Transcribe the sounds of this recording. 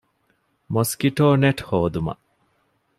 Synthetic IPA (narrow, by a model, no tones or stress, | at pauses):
moskiʈoːneʈhoːd̪umɐ̰ʔ